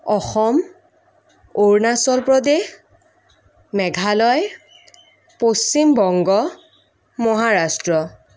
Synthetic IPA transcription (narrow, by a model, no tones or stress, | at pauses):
ɔxɔm | oɹnasɔlpɹɔdex | mɛɡʱalɔj | post͡ʃimbɔŋɡɔ | mɔɦaɹastɹɔ